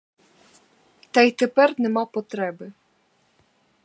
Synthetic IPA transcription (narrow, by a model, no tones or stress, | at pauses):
t̪ajt̪ɛpɛrnɛmapɔt̪ɾɛbɨ